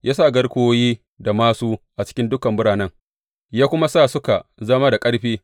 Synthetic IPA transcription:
jʔaː˦saː˦˨ɡɐ˦ɽkʷʊ˦woː˦jiː˦ | da˨maː˦suː˦ʔa˨t͡ʃɪ̥˦kʲɪ˦ndʊ˦kɐ˨mbʊ˦ɽaː˨nɐ˦ŋ | jaː˦kʷʊ˦ma˦saː˦˨sʊ˦ka˨zɐ˦maː˦da˨kʼɐ˦ɽɸiː˦

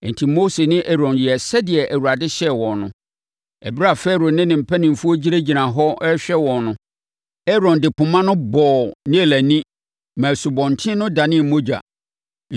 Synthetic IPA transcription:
n̩˨tʰi˨mo˦se˨nɪ̃˦ʔɛ˦ɾɔ̃˨njɛ˨sɛ˦dɪ˨ɛ˨ʔæ˨wu˨ɾa˨dɪ˦ɕɛ˦wɔ̃˨nnʊ̰̃˨ | ɛ˨bi˦ɾa˨fɛ˦ɾo˨nɪ̃˦nɪ̃˨m̩˨pʰæ˦nɪ̃˨m̩˨fu˦o˦d͡ʑi˦ɾe˦d͡ʑi˨nã˨ɦɔ˦ɛ˦ɕᶣɛ˦wɔ̃˨nnʊ̃˦ | ɛ˦ɾɔ̃˨ndɪ˨pʊ̃˨mã˦nʊ̃˦bɔː˨nɪ̃˦e˨læ˨nĩ˦ | mæ̃˨su˨bɔ̃˨n̩˨tʰɪ̃˦nʊ̃˦da˨nɪ̃˦˨mo˦d͡ʑa̰˨

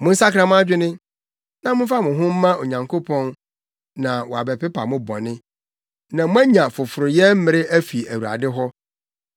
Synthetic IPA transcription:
mʊ̃˦n̩˦sa˦kʰɾã˦m̃˦a˦d͡ʑᶣɪ˦nɪ̃˦ | nã˦mʊ̃˦fa˦mʊ̃˨ɦʊ̃˦m̩˦mã˦o˨ɲã˨ŋkʰo˦pʰɔ̃˦n | nã˨wɔ˨a˨bɛ˨pʰɪ˦pa̰˨mʊ̃˦bɔ̰̃˨nɪ̃˦ | nã˨mʊ̃˦æ˦ɲã˨fʊ˨fʊ˨ɾʊ˨jɛ˦m̩˦mɪ̃˦ɾɪ˦æ˦fi˨æ˨wu˨a̰˨dɪ˦ɦɔ˦

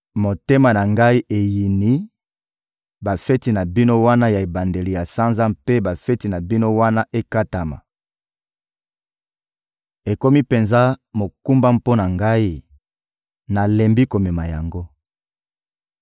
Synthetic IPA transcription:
mo˨te˦ma˨na˨ŋɡa˦i˦ʔe˨ji˨ni˦ | ba˨fɛ˦ti˨na˨bi˦no˦wa˦na˦ja˨e˨ba˨nde˨li˨ja˨sa˦nza˦mpe˦ba˨fɛ˦ti˨na˨bi˦no˦wa˦na˦ʔe˦ka˦ta˨ma̰˨ | e˨ko˦mi˦pe˨nza˦mo˨ku˦mba˦mpo˦na˨ŋɡa˦i˦ | na˨lɛ˨mbi˦ko˨me˨ma˨ja̰˨ŋɡo˦

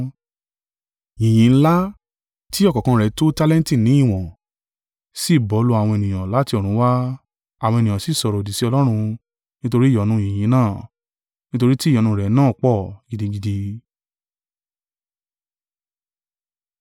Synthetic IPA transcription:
jĩ˨j̃ĩ˨˦n̩˦la˦ | ti˦ɔ˦kɔ˨kã˧˦ɾɛ˨˦to˦ta˦lɛ̃˦n˦ti˦˨nĩ˨˦i˦˨w̃ɔ̃˨ | si˦˨bɔ˨˦lo˧a˨w̃ɔ̃˧e˧˨nĩ˨j̃ã˨la˨˦ti˧ɔ˨ɾ̃ũ˨˦wa˦ | a˨wɔ̃˧e˧nĩ˨ã˨si˨˦˨sɔ˨ɾɔ˨di˨si˨˦ɔ˧lɔ˦ɾ̃ũ˧ | nĩ˦to˧ɾi˦˨jɔ˨˦nũ˨˦jĩ˨j̃ĩ˨˦nãː˦˨ | nĩ˦to˧ɾi˦ti˦˨ɔ˨nũ˧˦ɾɛ˨˦nãː˦˨k͡pɔ˦˨ɡi˨˧di˧ɡi˧di˧

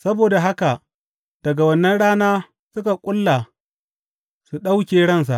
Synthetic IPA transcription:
sɐ˦boː˨da˨ɦa˦ka˨ | d̥ɐ˨ɡa˨wɐ˦nːɐ˦nɽaː˦naː˦ | sʊ˦ka˨kʷʼʊ˦lːa˨ | su˨ɗa˦wkʲeː˨ɽɐ˦ns̬a˨ʔ

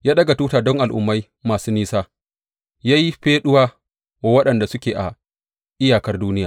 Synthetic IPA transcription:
jaː˦ɗɐ˦ɡa˨tuː˦taː˨dɔ˦ŋʔa˨lʔʊ̰˨mːa˦j | maː˨suː˦niː˦saː˦ | ja˦ji˦ɸeː˦ɗʊ˦waː˦ | wa˨wɐ˦ɗɐ˨nda˨sʊ˦kʲeː˨ʔa˨ | ʔɪ˦jaː˨kɐ˦rduː˦nɪ˦jaː˨

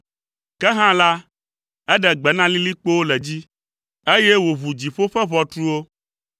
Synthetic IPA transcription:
kɛ˦ɦã˦la˦ | ɛ˦ɖɛ˨ɡ͡bɛ˨nã˦li˦li˦k͡po˦wo˦lɛ˨d͡ʑi˦ | e˦jɛ˦wo˨βu˨d͡ʑi˨ɸo˦ɸɛ˦βɔ˨t̪ɾu˦wo˦

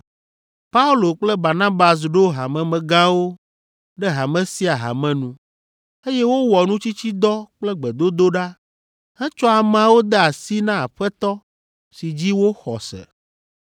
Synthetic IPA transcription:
pa˦u˦lo˨k͡plɛ˦ba˨ɾnã˦ba˨s̬ɖo˦ɦa˨mɛ̃˨mɛ̃˨ɡã˦wo˦ | ɖɛ˦ɦa˨mɛ̃˦si˦a˨ɦa̰˨mɛ̃˨nũ˦ | e˦jɛ˦wo˦wɔ˨nũ˦t͡ɕi˦t͡ɕi˦d̪ɔ˦k͡plɛ˦ɡ͡bɛ˨d̪o˦d̪o˦ɖa˦ | hɛ̃˦t͡ʃɔ˦a˨m˨ã˨wo˦d̪ɛ˦a˨si˦nã˦a˨ɸɛ˦t̪ɔ˦ | si˨d͡ʑi˦wo˦xɔ̰˨sɛ̰˨

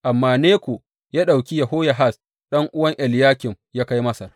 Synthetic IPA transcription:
ʔa˨mːaː˨neː˦kʷo˨ | jaː˦ɗa˨wkʲi˦jɐ˨ɦo˦ja˨ɦa˦˨s | ɗɐ˦ŋʔʊ˦wɐ˦ŋʔɛ˨ljaː˦kʲɪ˨m | jaː˦ka˦jmɐ˦sa˨

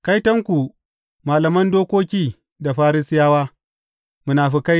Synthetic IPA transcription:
ka˦jtɐ˦ŋkʷu˨ | maː˨lɐ˨mɐ˦ndoː˦kʷoː˦kʲiː˦ | da˨ɸaː˦ɾɪ˦sɪ˦jaː˦waː˦ | mu˨naː˨ɸi˦ka˦j

